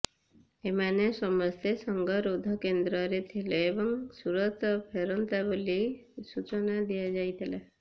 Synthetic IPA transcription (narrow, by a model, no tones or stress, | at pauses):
emanesɔmɔst̪esɔŋɡɔɾod̪ʱɔkend̪ɾɔɾet̪ʰileebɔŋsuɾɔt̪ɔpʰeɾɔnt̪abolisut͡ʃɔnad̪ijad͡ʒajt̪ʰila